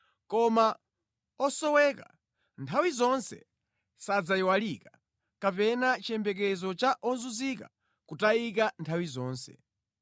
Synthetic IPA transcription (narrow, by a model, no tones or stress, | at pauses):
kɔma | ɔsɔwɛːka̰ | ntʰawizɔnsɛ̰ | sad͡zaiwalika | kapɛnat͡ʃɛmbɛkɛzɔt͡ʃaʔɔnzuzika̰ | kutaikantʰawizɔːnsɛ̰